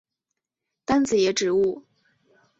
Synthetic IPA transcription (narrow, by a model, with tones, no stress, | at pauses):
t̪a˥nd͡zɹ̩˨˩jɛ˨˧˥ʈ͡ʂɻ̩˨˩u˥˩